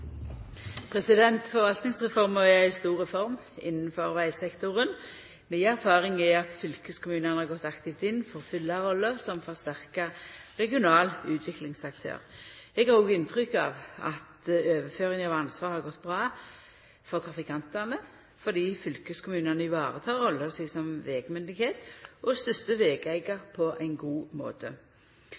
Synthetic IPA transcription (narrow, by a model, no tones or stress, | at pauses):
pʰʁɛsɪd̪ɛnt̪fɔʁʋɑlt̪nɪŋsʁɛfɔʁmɔɛæɪst̪uːʁɛfɔʁmɪ̰nːnfɔʁʋæɪsɛkt̪ʊʁən | miɪæʁfɑːʁɪŋɛɑt̪fʏlkəskʰʊmʉːnənəhɑɡɔt̪ːɑkt̪ɪft̪ɪnːfɔʁfʏlːɑʁɔlːəsɔmfɔʁst̪æʁkɑʁɛɡɪʊnɑːlʉːt̪ʰʋɪklɪŋsɑkt̪ʰø̰ːʁɛɡhɑɾʁoːɡɪnt̪ʰʁʏkːɑ̰ːʋɑ̰t̪øːʋəføːʁɪŋɑʋɑnsʋɑːʁhɑʁɡɔt̪ːbʁɑː | fɔʁt̪ʰʁɑfɪkʰɑnt̪ɛʁnə | fɔd̪iːfʏlkəskʰʊmʉːnɑnəɪʋɑːʁət̪ʰɑːʁɔlːəsɛɡsɔmʋeːɡmʏnd̪ɪɡheːt̪ʔɔst̪ʏst̪əʋeːɡæɪɡɑʁpʰɔʔæɪnɡuːmo̰ːt̪ə